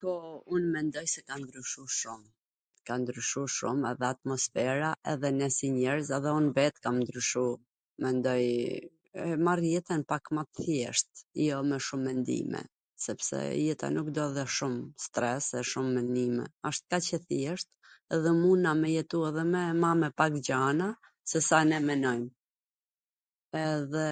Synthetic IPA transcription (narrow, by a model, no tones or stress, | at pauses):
kɔunmɛnd̪ɔjsɛkand̪ɾyʃuʃum | kand̪ɾyʃuʃṵmɛðɛat̪̚mɔsfɛɾaʔɛðɛnɛsiɲɛɾzɛðɛunvɛt̪kamnd̪ɾyʃu | mɛnd̪ɔj | ɛmarjɛt̪ɛnpakmat̪θjɛʃt̪̚jɔmɛʃumːɛnd̪ḭmɛ̰ | sɛpsɛ̰jɛt̪a̰nukd̪ɔðɛʃumst̪ɾɛsɛʃumːɛnimɛ̰aʃt̪̚kat͡ɕəθjɛʃt̪̚ | ɛðɛmunamɛjɛt̪uɛðɛmɛmamɛpakd͡ʑana | sɛsanɛmɛnɔjm | ɛðɛ